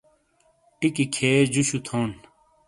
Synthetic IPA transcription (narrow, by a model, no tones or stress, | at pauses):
ʈikikʰeːd͡ʑuɕut̪ʰoːn